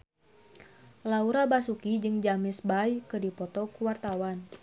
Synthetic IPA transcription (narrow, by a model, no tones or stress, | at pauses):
lauɾabasukid͡ʒɨŋd͡ʒamɪsbajkɨdipɔt̪ɔkuwart̪awan